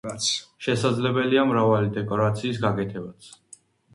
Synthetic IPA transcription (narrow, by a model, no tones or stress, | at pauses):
sʃɛsad̪zlɛbɛliamɾavalid̪ɛkʼɔɾat̪sʰiːsɡakʼɛt̪ʰɛbat̪sʰ